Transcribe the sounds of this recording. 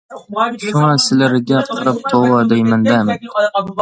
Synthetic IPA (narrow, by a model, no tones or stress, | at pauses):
ʃʊŋɑsɪlɪɾɪɡʲaqʰɨɾɪp̚t̪ʰowɑd̪ejmɪnd̪am